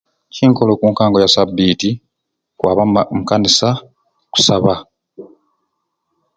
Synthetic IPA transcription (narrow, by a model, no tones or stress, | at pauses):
ciŋko̞lokuːŋkaːŋɡo̞jasabːiːti | kwa̰ːβamukanisa | ku̥saβa